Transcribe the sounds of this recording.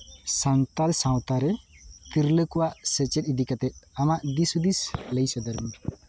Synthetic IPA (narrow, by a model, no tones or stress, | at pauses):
sant̪alsãw̃t̪aɾɛt̪iɾləkuwaʔsɛt͡ʃɛt̪id̪ikat̪ɛt̪̚amaʔd̪isud̪isləjsɔd̪əɾm